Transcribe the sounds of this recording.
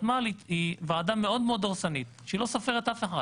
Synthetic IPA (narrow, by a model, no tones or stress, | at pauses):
maliivaːd̪ame̞o̞d̪meo̞d̪oʁsanit̪ʃeilo̞safeʁet̪afeħa